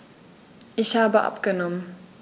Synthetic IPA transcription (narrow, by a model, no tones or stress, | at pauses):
ʔisaba̰ʔa̰p̚kənɔm